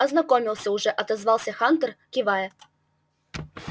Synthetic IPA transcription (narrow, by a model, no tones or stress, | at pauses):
ɐznɐkomʲɪlˠsʲəʊʐɛʔɐt̪ɐzvɑlˠsʲəxant̪ərkʲɪvajə